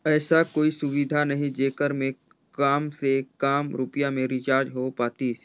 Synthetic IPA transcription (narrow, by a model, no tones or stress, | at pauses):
ɛːsakoːisʊʋɪd̪ʱanɐɦĩd͡ʒeːkəɾmẽ | kaːmsekaːmɾʊpjamẽɾɪt͡ʃaːɾd͡ʒɦopaːt̪i